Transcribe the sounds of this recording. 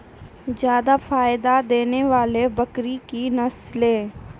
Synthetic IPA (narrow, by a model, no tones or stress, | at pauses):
zjaːd̪afaːjd̪ad̪eːneʋaːlebɐkɾikinɐslẽː